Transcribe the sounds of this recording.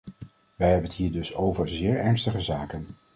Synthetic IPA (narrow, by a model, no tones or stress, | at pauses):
ʋɛjɦɛbənətɦiːɹdɵsowvəɹzɪːɹɛɹnstəχəzaːkən